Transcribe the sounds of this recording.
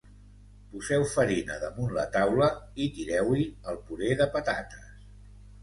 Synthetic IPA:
puzɛwfəɾinə̰ðəmunlə̰t̪awləit̪iɾɛwiəlˠpuɾeðəpət̪at̪ə̥s

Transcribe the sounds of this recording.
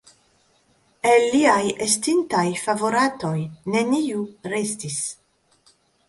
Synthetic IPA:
elːiajestintajfavo̞ɾato̞jne̞niuɾe̞stis

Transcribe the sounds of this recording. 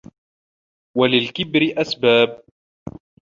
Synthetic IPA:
walɪlkɪbɾɪʔasbaːb̚

